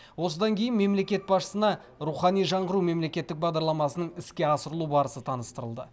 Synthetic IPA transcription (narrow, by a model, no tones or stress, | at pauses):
wo̞səd̪ɑŋkʲʰe̞jɪnme̞mle̞kʲe̞t̪̚bɑsʃə̥sənɑ | ɾuχɑnijʒɑɴʁəɾume̞mle̞kʲe̞t̪ːɪk̚bɑʁd̪ɑɾlˠɑmɑsənəɴɪskʲe̞ɑsəɾəlˠubɑɾəsət̪ʰɑnəst̪əɾəlˠd̪ə̰